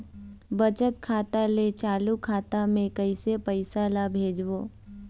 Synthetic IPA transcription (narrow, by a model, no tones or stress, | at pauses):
bət͡ʃət̪kʰaːt̪alet͡ʃaːlukʰaːt̪amẽkəɪsepəɪsalabʱeːd͡ʒʋoː